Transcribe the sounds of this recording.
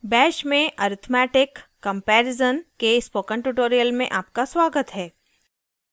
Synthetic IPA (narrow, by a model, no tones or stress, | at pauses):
bɛːʃmẽəːɾɪt̪ʰmɛːʈɪkː | ə̃mpɛːɾɪzənkespoːkə̃ɳʈuʈoːɾijəlmẽʔaːp̚kaswaːɡət̪ɦɛː